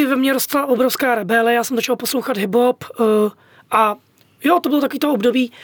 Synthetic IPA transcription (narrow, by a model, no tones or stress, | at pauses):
ɪvɛmɲɛɾost̪laʔobɾofskaːɾɛbɛlɛjaːsɛmzot͡ʃalposlowxad̪ɦɪbɦop | ʔa | jot̪obɪlot̪akoviːt̪oobdobiː